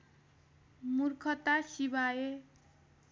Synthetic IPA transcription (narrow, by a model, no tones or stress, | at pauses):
murkʰʌt̪asibae